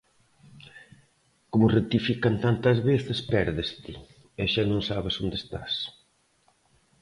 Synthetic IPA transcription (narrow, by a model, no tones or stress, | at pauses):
komʊret̪ifikant̪ant̪ɐzβeθespɛɾðest̪ɪ | ɛʃanõŋsaβɪsond̪est̪a̰s